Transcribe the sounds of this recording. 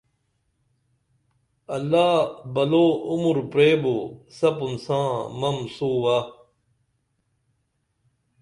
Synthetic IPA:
ɐlːaːbɐloːumuɾpɾeːbosɐpunsãːmɐmsuːwaː

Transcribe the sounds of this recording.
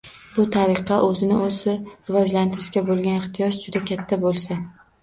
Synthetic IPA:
bʊt̪ʰaɾɨqʰɑʔɵzɪnɪozɪɾɪvɒd͡ʒlant̪ʰɪɾɪʃkʲabolˠɡʲanɪχt̪ɪjɒʃd͡ʒʊd̪akʲʰat̪ʰːabolˠsa

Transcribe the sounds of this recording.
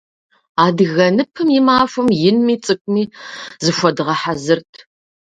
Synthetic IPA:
aːdɨɣɐnɨpʰɨmjɪmaːfʷʊmjɪnmiːt͡sʼɨkʷʼmiːzɨʃʷɔdɨʁɐħazɨrtʰ

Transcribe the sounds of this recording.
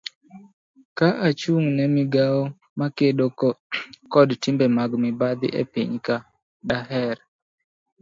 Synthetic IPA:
kaʔat͡ʃuŋnɛmɪɡaɔ | makeɗo | kɔdtimbɛmaɡmɪbad̪ɪ̰ʔḛpḭɲka | ɗaɦɛɾ

